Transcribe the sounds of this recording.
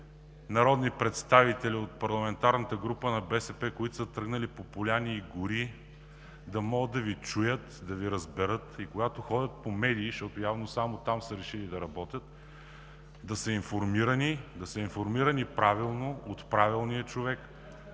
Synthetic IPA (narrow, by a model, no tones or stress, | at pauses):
nɐɾɔd̪nipɾɛt̪st̪avit̪ɛliot̪̚pɐɾlˠɐmɛnt̪aɾnət̪əɡɾupənɐbɛsɛpɛkoit̪ʊ̥sət̪ɾɤɡnɐlipopʊlʲaniːɡʊɾi | d̪ɐmɔɡəd̪ːɐvit͡ʃujət̪d̪ɐviɾɐzbɛɾɤt̪ikoɡat̪oxɔdʲət̪̚pomɛd̪iːʃt̪ɔt̪ojavnosamot̪amsəɾɛʃilid̪ɐɾɐbɔt̪ʲət̪ | d̪ɐsəinfoɾmiɾənid̪ɐsəinfoɾmiɾɐnipɾavilˠnoot̪pɾavilˠnijət͡ʃovɛk